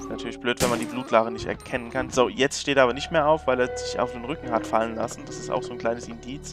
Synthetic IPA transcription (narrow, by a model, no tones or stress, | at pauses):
ɪ̥stnatʰyːɐlɪçb̥løːtv̥ɛnmandiːbluːtʰlaːɡənɪçtɛ̰ɐkʰɛnənkʰanz̥oːjɛt͡stʃteːteɐaːbɐnɪçtmeːɐʔaʊfv̥aɪleːɐzɪça̰ʊfd̥eːnʁʏkŋ̩hatfalənla̰sn̩d̥asɪsta̰ʊxz̥oːnkl̥aɪnəsɪndiːt͡s